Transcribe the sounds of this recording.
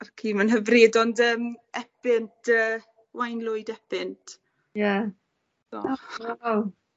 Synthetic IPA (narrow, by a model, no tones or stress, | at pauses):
arkʰiːmanɦəvridɔndəːmɛpɪntʰəː | wajnlˠʊɨdɛpɪntʰ | ja | d̥ɔ̰waw